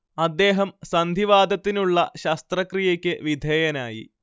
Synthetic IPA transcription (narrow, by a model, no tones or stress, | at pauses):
ɐd̪ːe̞ːɦɐmsɐnd̪ʱiʋaːd̪ɐt̪ːinuɭːɐ̰ɕɐst̪rɐkrijɐkʲːɨʋid̪ʱeːjɐnaːjḭ